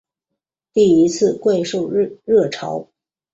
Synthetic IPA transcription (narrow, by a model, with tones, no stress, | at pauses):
t̪i˥˩i˧˥t͡sʰɹ̩˥˧kwe˥˧ɪʂo˥˧ʊɻɤ˥˩ʈ͡ʂʰɑ̰˧˥ʊ